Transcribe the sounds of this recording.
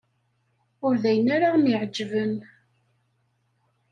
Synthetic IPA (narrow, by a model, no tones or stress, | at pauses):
ʊɾðæjənaɾamiʕd͡ʒːvən